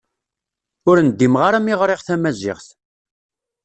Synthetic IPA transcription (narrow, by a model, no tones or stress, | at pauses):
ʊɾnd̪ːimʁaɾæmiʁɾˤeʁθæmæzɪ̰ʁθ